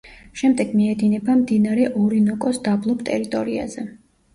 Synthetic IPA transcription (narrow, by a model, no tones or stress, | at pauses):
ʃɛmd̪ɛɡmiɛd̪inɛbamd̪inaɾɛʔɔɾinɔkʼɔsd̪ablˠɔpt̪ʼɛ̰ɾit̪ʼɔɾia̰zɛ